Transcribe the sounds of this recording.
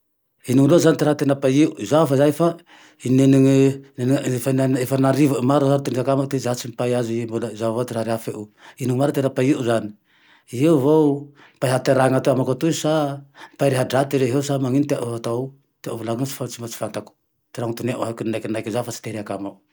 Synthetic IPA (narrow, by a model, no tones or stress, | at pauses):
iniŋilozanit̪iɾaɦt̪enapaiuzafazaefa | ineniŋneniefanaefanaɾivamaɾuzant̪uneɦakamat̪ezat͡ʃimipajazuimbulazavat̪iɾaɾeafeʔuiniŋimaɾat̪enapaiʔuzani̥ | iɦewvow | mpaiɦat̪eɾaŋat̪oamakat̪uzsampaiɾeɦaɖ͡ʐat̪iɾeɦeusamaŋinit̪eaʔuɦat̪a | t̪eaʔuvlaŋinsi̥fant͡ʃimbat͡ʃi̥fant̪aku̥ | t̪iɾaŋt̪uneʔuɦakuninajkinajkzafat͡ʃi̥t̪eɾeakama